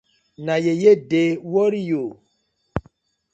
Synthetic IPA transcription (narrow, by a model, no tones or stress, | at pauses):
najejedewɔɾijo